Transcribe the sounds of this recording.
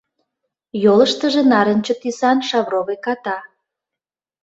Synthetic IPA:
joləʃt̪əʒĕnɑɾə̆nt͡ɕot̪isɑnʃɑβroβekɑt̪ɑ

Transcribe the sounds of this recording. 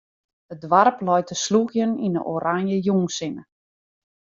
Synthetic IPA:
dədʋarplɔjtʰəsluɣjəninə̰ʔoːɾaŋjəjuŋsɪnə

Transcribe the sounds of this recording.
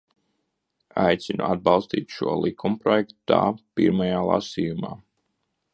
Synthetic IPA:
ajt̪sinṵad̪̚bɑlˠst̪ḭːt̪ʃuɔlˠikʰumupɾɔjɛkt̪ut̪a̰ːpḭɾmajaːlˠa̰siːjuma̰ː

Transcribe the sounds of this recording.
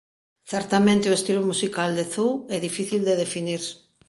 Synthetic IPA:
θɛɾt̪amẽnt̪eoest̪ilumusikald̪eθuwɛðifiθild̪eðefiniɾs

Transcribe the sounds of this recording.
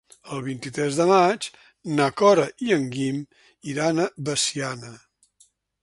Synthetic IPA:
əlˠβint̪it̪ɾɛzðəmat͡ʃ | nəkɔɾəʔiəŋɡim | iɾanəβəsianə

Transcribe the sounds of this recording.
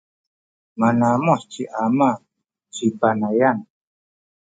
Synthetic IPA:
manamɔst͡ʃiʔama | t͡ʃipanajan

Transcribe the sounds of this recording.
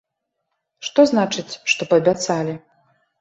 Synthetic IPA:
ʂt̪ɔznat͡ʂɨt͡sʲʂt̪ɔpɐbʲat̪salʲi

